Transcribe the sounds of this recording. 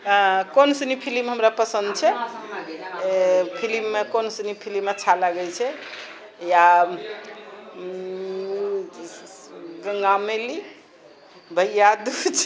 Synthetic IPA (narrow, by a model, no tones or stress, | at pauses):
konsənipʰilimɦəmɾapəsə̃nd̪̚t͡ʃʰɛ | pʰilimːekonsənipʰilimət͡ʃʰalaɡɛlt͡ʃʰɛ | ja | ɡəŋɡameli | bʱəjjad̪ut͡ʃʰ